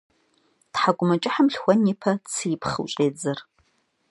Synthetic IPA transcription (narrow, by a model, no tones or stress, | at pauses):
tħaɡʷʼʊmɐt͡ʃʼɪħamɬxʷɔniːpʰɐt͡sʰɨjpχɨ̰wɕʼeːd͡zɐr